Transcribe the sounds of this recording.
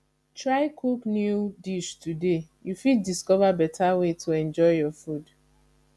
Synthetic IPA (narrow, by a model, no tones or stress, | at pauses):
tɹaɪkʰuknjudiʃtude | jufid̚ːiskɔvabɛtʰawetʰuɛ̃nd͡ʒɔɪjɔfud